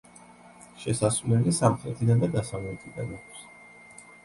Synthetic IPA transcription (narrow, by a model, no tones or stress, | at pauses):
ʃɛsasvlɛlisamχɾɛt̪ʰid̪and̪ad̪asavlɛt̪ʼʰid̪a̰nakʰs